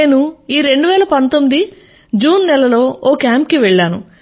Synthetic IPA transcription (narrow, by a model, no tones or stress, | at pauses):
eːnuiːɾe̞ɳɖuʋɛːlɐpɐnt̪omːid̪i | d͡ʒuːnːɛlɐlo̞ːʔoːkaːmp̚kiʋeɭːaːnṵ